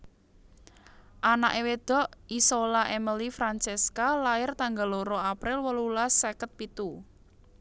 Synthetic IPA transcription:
ʔanaʔewed̪̥ɔ̤ʔisolaʔɛməlifɾant͡ʃeskalaɪrt̪aŋɡaloɾoapɾɪlwəlulasɛkət̪̚pit̪u

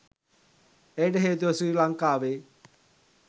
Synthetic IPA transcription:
ejɖəɦeːt̪̬uʋɐsɾiːlaŋkaːʋe

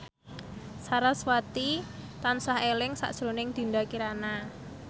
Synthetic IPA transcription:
saɾaswat̪it̪ansahelɪŋsa̰ʔʒ̥ɾonɪŋd̪̥i̤ndakiɾana

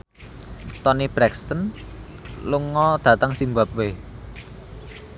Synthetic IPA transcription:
t̪ɔnib̥ɾɛkst̪ən | luŋɔd̪̥ä̤t̪aŋsimbap̚we

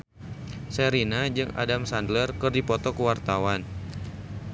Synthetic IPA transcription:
sɛɾinad͡ʒɨŋa̰damsandlərkərdipɔt̪ɔkəwart̪awan

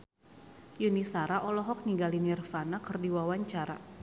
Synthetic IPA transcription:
junisaɾaʔɔlɔɦɔk̚niŋɡalinɛrfanakɨrdiwawaɲt͡ʃaɾa̰

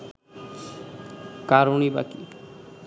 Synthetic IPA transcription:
kaɾuniba̰kḭ

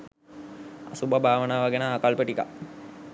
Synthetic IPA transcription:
a̰subabʱaːʋənaːʋaɡenaːkalpəʈika̰

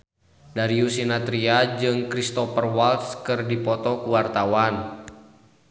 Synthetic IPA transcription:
daɾiusinat̪ɾiad͡ʒɨŋkɾist̪ɔfərwalt̪skɨrdipɔt̪ɔkuwart̪awan

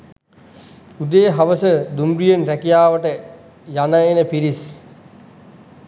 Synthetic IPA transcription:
ud̪eːɦaʋəsəd̪umɾijənɾækijaːʋəʈə | janəenəpiɾis

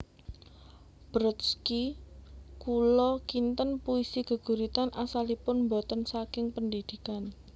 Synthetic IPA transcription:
b̥ɾət̪ski | kulɔkint̪ənpuisiɡ̥ə̤ɡ̥ṳɾit̪anʔasalipʊnmbot̪ənsakɪŋpəndid̪̥i̤kan

